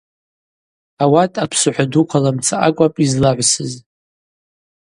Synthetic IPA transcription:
awatʼapʰsɨħʷᶣadukʷʰalamt͡sʰaʔakʷʼapʼizlaʕʷsɨz

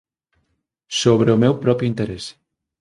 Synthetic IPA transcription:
soβɾeʊmewpɾɔpjʊint̪eɾes

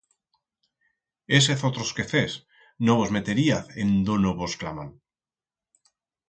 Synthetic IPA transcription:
eseθot̪ɾoskeθes | noβozme̞t̪eɾiaθḛnd̪onoβoskla̰ma̰n

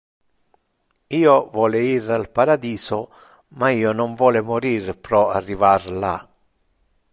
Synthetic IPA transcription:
iːovɔːlɪiralpaɾad̪iːsɔ | maiːɔnɔɱvwɔːlɪmɔɾiːɾpɾɔarːivarla̰

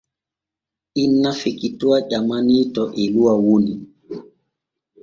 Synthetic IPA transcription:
ʔinːafekituwaʄamaniːtɔʔɛluwawoni

